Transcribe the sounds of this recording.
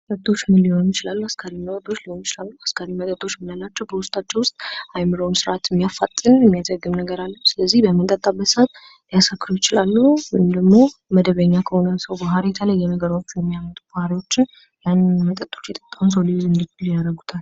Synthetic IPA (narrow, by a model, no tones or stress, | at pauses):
t̪ʼət̪ʼːo̞t͡ʃːnliho̞njɪt͡ʃɪlalːuaskʰaɾimət̪ʼət̪ʼːo̞t͡ʃːliho̞njɪt͡ʃɪlalːuaskʰaɾimət̪ʼət̪ʼːo̞t͡ʃːmɨnalːat͡ʃːɛwbəwʊst̪ʼat͡ʃːɛwʊst̪ʼajmɨɾəwnsɨɾat̪mːijafat̪ʼːɨnjɛmːijazəɡːɨmnəɡəɾalːəhsɨləzːihbəmːɨnt̪ʼət̪ʼːabːət̪sat̪ | lijasakːɾujɪt͡ʃɪlalːujmd̪əɡmo̞məd̪əβəɲːakʰəho̞nəsəwbaɦaɾit̪ʰələjːɛməɡəɾawot͡ʃːujɛmːijamːət̪ʼubahaɾiwo̞t͡ʃːɪn | janmət̪ʼət̪ʼːo̞̥t͡ʃːjɛt̪ʼə̥t̪ʼːawns̬əwlizɨnd̪ikuljaɾəɡut̪ʰal